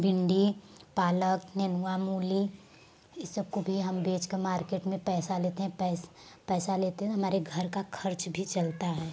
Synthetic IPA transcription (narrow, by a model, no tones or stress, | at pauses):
bʱɪ̃ɳɖipaːləknɛnuamuːli | ɪsːəb̚kobʱiɦɐmbeːt͡ʃkemaːɾkeːʈmẽpɛːsaleːt̪eɦɛ̃pɛːs | pɛːsaleːt̪eɦɛ̃t̪oɦɐmaːɾeɡʱɐɾkakʰɐɾt͡ʃbʱit͡ʃɐlt̪aɦɛː